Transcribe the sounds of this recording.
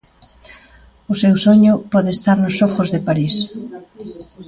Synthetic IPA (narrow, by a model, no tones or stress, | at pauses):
ʊsewsoɲʊpɔðest̪aɾnʊsɔxʊzðɪpaɾis